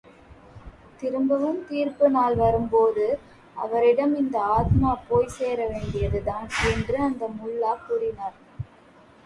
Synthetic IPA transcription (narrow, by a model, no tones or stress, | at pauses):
t̪ɪɾɯmbɐʋɯmt̪iːrpɯnaːlʋɐɾɯmpoːðɯ | ʔɐ̰ʋɐɾɪɽɐmɪnd̪ɐaːt̪maːpoːjseːɾɐʋeːɳɖɪjɐðɯt̪aːnɛndrɯɐnd̪ɐmʊɭːaːkʊɽɪnaːɾ